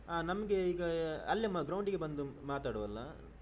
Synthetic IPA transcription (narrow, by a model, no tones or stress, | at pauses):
aːnɐmɐɡe̞iːɡɐɐlːjɐmɐɡɾɐwɳɖiɡe̞bɐnd̪umaːt̪aːɽuʋɐlːɐ